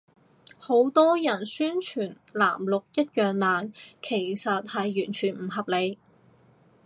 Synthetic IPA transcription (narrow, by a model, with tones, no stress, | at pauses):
ho˨˧˥wt̪ɔː˥jɐ˨˩nsyː˥nt͡ʃʰyː˨˩n | la̰ː˨˩mlʊ˨k̚jɐ˥t̚jœː˨ŋlaː˨˩nkʰe˨˩jsɐ˨t̚hɐ˨jːyː˨˩nt͡ʃʰyː˨˩nm̩˨˩ɦɐ˨p̚le˨˧j